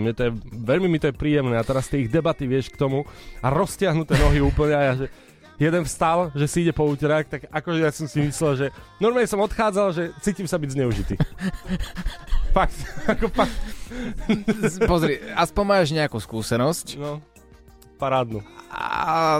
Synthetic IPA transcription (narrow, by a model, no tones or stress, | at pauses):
mɲɛt̪ɔjɛʋɛʎmimit̪ɔjɛpɾiːjɛmnɛːat̪ɛɾast̪ɪɛiɣd̪ɛbat̪iʋɪɛʃkt̪ɔmuaɾɔscɪaɦnut̪ɛːnɔɦiuːpl̩ɲɛajaʒɛ | jɛd̪ɛnfst̪alʒɛsiiɟɛpɔuːcɛɾakt̪aɡakɔʒɛjasɔmsimislɛlʒɛnɔɾmaːɲɛsɔmɔt̪xaːd͡zalʒɛt͡siːcimsabiɟzɲɛuʒit̪ḭː | fak̚t̪akɔfakt̪ | pɔzɾiaspɔɲmaːʒɲɛakuskuːsɛnɔscnɔ | paɾaːd̪nu